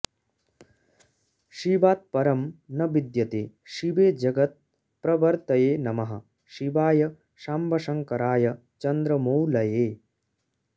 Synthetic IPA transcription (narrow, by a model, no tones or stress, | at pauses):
ʃibaːt̪̚pɐɾɐmnɐbid̪jɐt̪eː | ʃiʋeːd͡ʒɐɡɐt̪̚ | pɾɐʋɐɾt̪ɐjeːnɐmɐɦɐ̰ | ʃibaːjɐ | ʃaːmbʱɐʃɐŋkɐɾaːjɐ | t͡ʃɐnd̪ɾɐmowlɐjeː